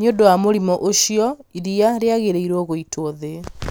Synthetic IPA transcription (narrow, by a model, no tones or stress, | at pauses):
niodowamoɾimɔʔoʃijɔiɾiaɾeaɣeɾeiɾoɣoitʰoðe